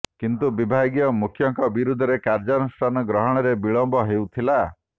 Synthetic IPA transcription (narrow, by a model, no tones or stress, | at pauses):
kint̪ubibʱaɡijɔmukʰːjɔŋkɔbiɾud̪ʱɔɾekaɾd͡ʒɔnusʈʰanɔɡɾɔɦɔɽ̃ɔɾebiɭɔmbɔɦewt̪ʰila